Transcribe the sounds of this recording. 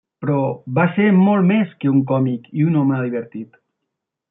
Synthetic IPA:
pɾɔβaseɾmɔlˠmeskeuŋkɔmikiunɔməðiβeɾt̪it̪

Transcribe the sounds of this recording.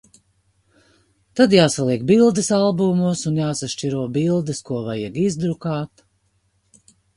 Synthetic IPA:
t̪ad̪jaːsalˠiɛk̚bilˠd̪ɐsalˠbumusunjaːsaʃt͡ʃiɾuɔbilˠd̪ɐskuɔvajɛɡizd̪ɾukaːt̪

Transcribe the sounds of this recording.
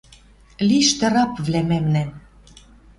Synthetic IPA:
liʃt̪ɤ̆ɾɑpvlæmæmnæ

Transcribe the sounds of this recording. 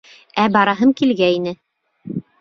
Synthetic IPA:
æbɑɾɑɦɤɴkilɡæinɘ

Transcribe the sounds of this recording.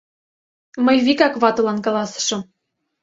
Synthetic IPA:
mɤjβikɑkβɑt̪ɤ̆lɑnkɑlɑsɤ̥̆ʃɤ̆m

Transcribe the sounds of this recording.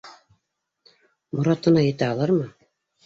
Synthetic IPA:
mŏɾɑt̪ɤ̆nɑjɘ̆t̪æɑlˠɑɾmɤ

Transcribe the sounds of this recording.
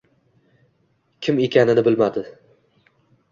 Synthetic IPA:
kʲʰɪme̞kʲʰanɪnɪbɪlmad̪ɪ

